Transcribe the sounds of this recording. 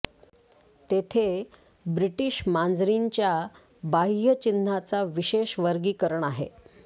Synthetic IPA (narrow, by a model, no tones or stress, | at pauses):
t̪et̪ʰe | bɾiʈiːɕmand͡zɾiɲt͡ɕja | bajət͡ɕinat͡saʋiɕeɕʋəɾɡiːkəɾəɳaɦḛ